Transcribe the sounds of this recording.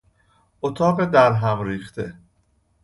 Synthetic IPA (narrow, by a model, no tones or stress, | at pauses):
ʔot̪ʰɒːɢed̪æɾɦæmɾiːχt̪ʰe̞̰